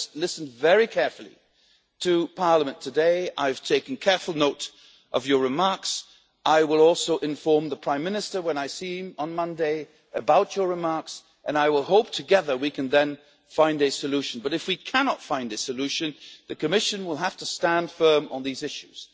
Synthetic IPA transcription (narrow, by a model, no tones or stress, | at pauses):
lɪsn̩vɛɹikʰɛɹfl̩ˠḭ | ɾʰɨpʰɑɹləmɨ̃ntʰɨdeɪʔa̰ɪv̥tʰeɪkn̩kʰɛɹfl̩ˠnoʊɾ | ʔʌvjə˞ɹɨmɑɹks | ʔaɪwɪlˠɔlˠsoʊʔɨ̃ɱfɔɹmðəpʰɹ̥ãɪ̃mːɪnɨstə˞wə̃naɪsĩmə̃nmʌ̃ndeɪ | ɨbaʊt͡ʃə˞ɹɨmɑɹks | ʔɨ̃naɪwɪlˠhoʊp̚tʰɨɡɛðə˞wikʰɨ̃nðɨ̃n | fãɪ̃ndɨsɨlʉʃɨ̃n̩bʌɾɨfwikʰænɑtfãɪ̃ndɨsɨlʉʃɨ̃nðɨkʰɨmɪʃɨ̃nwəlˠɦæftəstæ̃nd̥fɜ̃˞mə̰̃nðizɪʃʉz̥